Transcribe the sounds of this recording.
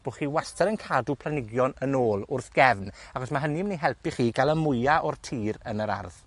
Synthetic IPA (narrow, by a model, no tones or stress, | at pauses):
b̥oχiːwastʰɛɾənkʰaːdupʰlˠanɪɡjɔnənoːlˠʊrθɡ̥ɛvnaχɔsmaɦəniməniɦɛlˠpiχiːɡalˠəmʊjaʔɔrtʰiːɾənəɾa̰rð̥